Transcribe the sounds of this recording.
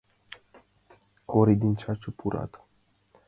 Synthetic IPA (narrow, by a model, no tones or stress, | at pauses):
kʰoɾid̪int͡ʃat͡ʃupuɾa̰t̪ə̥